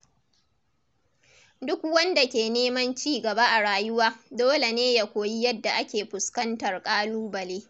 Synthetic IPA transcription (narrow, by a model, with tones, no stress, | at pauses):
dʊ˦k̚wɐ˦nda˨kʲeː˨neː˦mɐ˦nt͡ʃiː˦ɡɐ˨ba˦ʔa˨ɽaː˨jʊ˦waː˦doː˦le˨neː˦ja˦˨kʷoː˨ji˦jɐ˦dːa˨ʔa˦kʲeː˨ɸʊ˨skɐ˦ntɐ˨rkʼaː˦luː˦bɐ˨leː˦